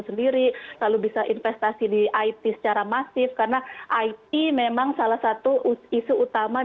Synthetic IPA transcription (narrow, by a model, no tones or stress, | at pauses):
səndiɾilalubisaʔinfɛst̪asidiʔait̪isə̥t͡ʃaɾamasɪfkarənaʔait̪̚imemaŋsalahsat̪uisuːt̪ama